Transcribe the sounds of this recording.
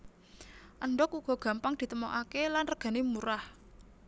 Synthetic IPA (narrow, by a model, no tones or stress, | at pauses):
ʔəɳɖɔkuɡ̥ɔ̤ɡ̥a̤mpaŋd̪̥i̤t̪əmoʔakelanrəɡ̥ä̤nemuɾah